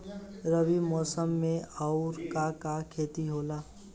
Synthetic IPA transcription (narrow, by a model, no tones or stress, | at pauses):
ɾəbimɔːsəmːẽɔʊɾkakakʰeːt̪iɦoːlaː